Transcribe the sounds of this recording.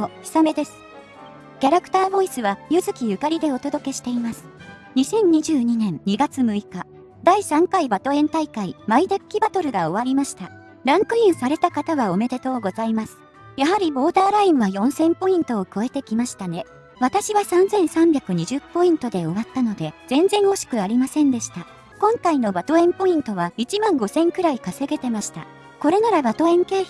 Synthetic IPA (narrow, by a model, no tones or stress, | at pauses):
oçi̥same̞d̪e̞sɨ̥ | kʲaɾakt̪aːbo̞isɨβajɯzɨkʲijɯ̟kaɾʲid̪e̞o̞t̪o̞d̪o̞ke̞ɕi̥t̪e̞imasɨ̥ | ɲ̟isẽ̞ɲ̟ɲːiʑɨːɲ̟inẽ̞nɲiɡat͡sɨmɯ̟ika | d̪aisãŋkaibat̪o̞ẽ̞nt̪aikaimaid̪akʲːibat̪o̞ɾɯ̟ɡao̞β̞aɾʲimaɕi̥t̪a | ɾãŋkɯ̟ĩɰ̃saɾe̞t̪akat̪aβao̞me̞d̪e̞t̪o̞ːɡo̞zaimasɨ̥ | jaɦaɾʲibo̞ːd̪aːɾaĩɰβajõ̞ɰ̃sẽ̞mpo̞ĩnt̪o̞ːko̞e̞t̪e̞kʲimaɕi̥t̪ane̞ | β̞at̪aɕiβasãnzẽ̞ɰ̃sãmbʲjakɯ̟ɲ̟iʑɨpːo̞ĩnt̪o̞d̪e̞o̞βat̪ːano̞d̪e̞z̥ẽ̞nzẽ̞ɰ̃o̞ɕi̥kɯ̟aɾʲimasẽ̞nd̪e̞ɕi̥t̪a | kõ̞ŋkaino̞bat̪o̞ẽ̞mpo̞ĩnt̪o̞βait͡ɕimãŋɡo̞sẽ̞ŋkɯ̟ɾaikase̞ɡe̞t̪e̞maɕi̥t̪a̰ | ko̞ɾe̞naɾabat̪o̞ẽ̞ŋke̞ː